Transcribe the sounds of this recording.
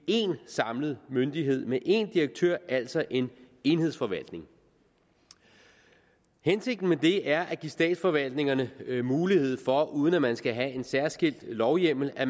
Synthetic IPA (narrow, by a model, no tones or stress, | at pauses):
e̝nsɑ̈mlð̞̩ˠmønd̥iɦe̝ð̞̰ˠmeʔe̝nd̥iʁɐɡ̥̚t͡sʰøɐ̰æl̰sɒ̽ʔe̝n | e̝nhefɒ̽ʋæl̰d̥ne̝ŋ | hense̝ɡ̥d̥n̩med̥e̝ʔæɐʔæɡ̥isd̥ɛ̰ːd̥sfɒ̽ʋæl̰d̥ne̝ŋɐnəmuːlihe̝ð̰ˠfɒ̽ʔuːð̞ˠənæmænsɡ̥æɦæe̝nsæɐsɡ̥e̝l̰d̥lɒʊjem̰l̩æ